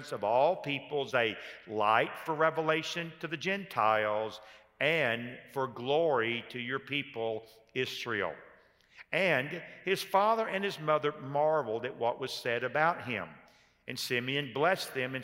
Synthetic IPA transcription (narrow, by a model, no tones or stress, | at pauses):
nsʌvɔlˠpipl̩ˠzɨla̰ɪtfə˞ɹɛvəleɪʃɨ̃ntʰɨðɨd͡ʒɛ̃ntʰaɪlˠz | ɨ̃nfə˞ɡlɔɹiɾɨjə˞pʰipl̩ˠ | ɪsɹḭl̩ˠ | ʔɨ̃nɪz̥fɑðə˞ʔɨ̃nɨzmʌðə˞mɑɹvl̩ˠdɨʔ̚wʌʔwʌz̥sɛɾɨbaʊt̚ɦɪ̰̃m | ɨ̃nsɪ̃miɨ̃nblɛsðɨ̃mɨ̃n